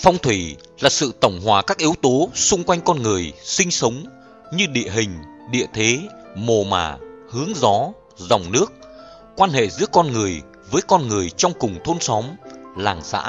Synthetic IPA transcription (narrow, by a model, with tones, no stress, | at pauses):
fa˧wŋ͡mt̪ʰwi˧˩ | laː˨˩sɨ̰˧˨t̪ə˧˩wŋ͡mɦwaː˨˩kaː˦˥k̚ʔi˨˦əwt̪o˨˦sʊ˧ŋ͡mkwa˧jŋ̟kɔ˧nŋɨ˨˩əjsï˧ŋ̟sə˨˦wŋ͡m | ɲɨ˧ɗḭ˧˨əɦï˨˩ŋ̟ | ɗḭ˧˨ət̪ʰe˨˦ | mo˨˩ma̰ː˧˨˩hɨ˨˦əŋzɔ˨˦ | za˨˩wŋ͡mnɨ˦˥ək̚ | kwaː˧nhḛ˧˨zɨ̰˧˥əkɔ˧nŋɨ˨˩əj | vəː˨˦jkɔ˧nŋɨ˨˩əjt͡ɕɔ˧wŋ͡mkʊ˨˩ŋ͡mt̪ʰo˧nsɔ˨˦mlaː˨˩ŋsa̰ː˧˥